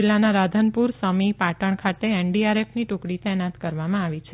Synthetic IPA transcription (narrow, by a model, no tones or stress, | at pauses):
ɪlːanaɾad̪ʱənpuɾsəmipaʈəɳkʰat̪eeɳɖiaɾefʰniʈʊkɽit̪ɛɦnat̪kəɾʋamãaʋit͡ʃʰe